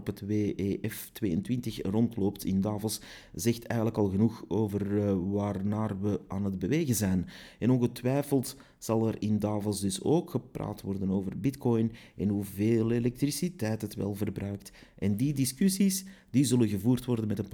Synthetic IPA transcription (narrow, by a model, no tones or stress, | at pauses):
pətweːʔeʔɛftʋeːəntʋɪntəxrɔntloːptʰɪ̰ndaːvəlˠs | z̥ɛxtʰɛːjɣənləkɑlˠɣənuxoːvərʋaːrnaːrʋəaːnəd̚bəʋeːɣənzɛjnɛnɔnɣətʋɛjfəlˠt | z̥ɑlˠɛɾɪndaːvəlˠsdɵso̰ːkxəpra̰ːtʋɔrdənoːvərbɪtkɔjnɛnɦuveːlelɛk̚trisitɛjtɦətʋɛ̰lˠvərbɾœːktʔɛndidɪskysis | d̥izɵlənɣəvuːrtʋɔrdənmɛtənp